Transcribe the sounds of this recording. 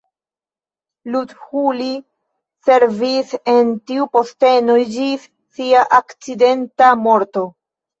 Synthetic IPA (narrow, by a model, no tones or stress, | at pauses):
ludhuli | se̞ɾvise̞ntiupo̞ste̞nod͡ʒisːiaʔakt͡side̞ntamo̞ɾto̞